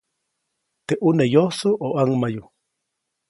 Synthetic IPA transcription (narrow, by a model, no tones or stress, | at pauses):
t̪eʔunejosoʔoʔaŋmaju